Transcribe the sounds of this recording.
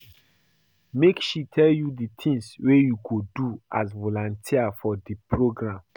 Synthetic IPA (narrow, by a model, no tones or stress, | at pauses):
mekʃitʰɛljudit̪ʰĩŋswejuɡoduʔasvolɔ̃ntʰiafɔdipʰɹoɡɹãm